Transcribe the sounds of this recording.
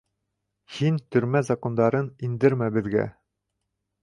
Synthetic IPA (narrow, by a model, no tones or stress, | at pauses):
hint̪ɵ̆ɾmæzɐkond̪ɑɾɤnind̪ɘɾmæbɘ̆ðɡæ̰